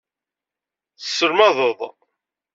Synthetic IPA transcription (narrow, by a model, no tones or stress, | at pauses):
θə̥sːəɾmɑðˤəðˤ